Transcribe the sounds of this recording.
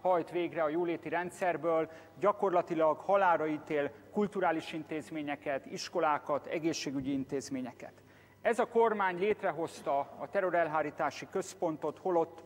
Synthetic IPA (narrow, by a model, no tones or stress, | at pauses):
hɒjt̪ʋeːɡrɛɒjoːleːt̪iɾɛnt̪sɛrbøːl | ɟɒko̞rlɒt̪ilɒɡhɒlaːɾɒiːt̪eːlkult̪uɾaːliʃint̪eːzmeːɲɛkɛt̪iʃko̞laːkɒt̪ɛ̰ɡeːʃːeːɡyɟiint̪eːzmeːɲɛkɛ̰t̪ | ɛzɒko̞rmaːɲleːt̪rɛɦo̞st̪ɒɒt̪ɛɾo̞ɾɛlɦaːɾiːt̪aːʃikø̞spo̞nt̪o̞t̪ho̞lo̞t̪ː